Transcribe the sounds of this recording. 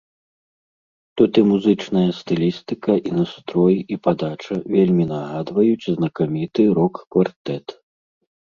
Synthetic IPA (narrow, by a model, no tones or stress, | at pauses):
t̪ut̪imuzɨt͡ʂnɐjɐst̪ɨlʲist̪ɨkɐʔinast̪ɾɔjiʔipad̪at͡ʂɐvʲelʲmʲinɐɣad̪vɐjut͡sʲznɐkamʲit̪ɨɾɔkːvart̪ɛt̪